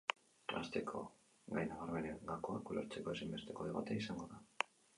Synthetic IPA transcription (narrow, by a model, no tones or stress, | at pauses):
a̰st̪e̞kʰo̞̰ | ɡajnaɣaɾme̞neŋɡako̞akuloɾt͡se̞ko̞e̞simbe̞st̪e̞ko̞ðeβa̰t̪eaisaŋɡo̞ða